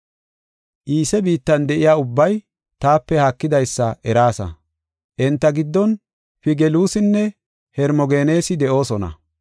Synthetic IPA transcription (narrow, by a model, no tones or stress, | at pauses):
ʔiːsɛbiːt̪ːɐnd̪ɛʔɪjaːʊbːɐj | t̪aːpːɛhɐkːɪd̪ɐjsːɐʔɛɾaːsɐ̰ | ʔɛnt̪ːɐɡɪd̪ːɔn | fɪɡɛluːsɪnːɛ | hɛɾmɔɡeːne̞ːsɪd̪ɛʔo̞ːsɔnɐ̰